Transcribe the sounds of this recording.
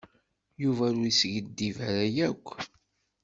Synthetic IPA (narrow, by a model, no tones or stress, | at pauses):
juvæɾuisʝəd̪ːivæɾæjækʷː